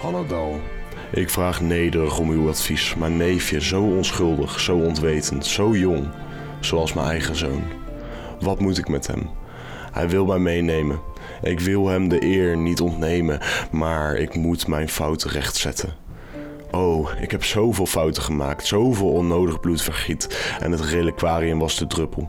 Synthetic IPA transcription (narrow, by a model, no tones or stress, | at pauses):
ɑnadɑlˠ | ʔɪkfraːχnejdərəχɔmywɑtfismanejfjəzowɔnsχɵlˠdəχsowɔntʋejtəntsowjʊŋ | z̥owɑlˠsmɛ̰nɛjχəzo̰wn | ʋɑtmutɪkmɛtɦɛ̰m | hɛ̰jʋɪlˠmɛjmejnejmən | ʔɪkʋɪlˠɦɛmdəʔɪːɹnitɔntnejmənmaːɹɪ̰kmutmɛjnfʌwtərɛχtsɛ̰tʰən | ʔowɪ̰kɦɛpsowvɪːlˠfɑwtəχəma̰ːktsowvɪːlˠɔnowdəχblutfəɹχitʔɛ̰nɦətreləkʋaːriəmʋɑsdədrɵpəlˠ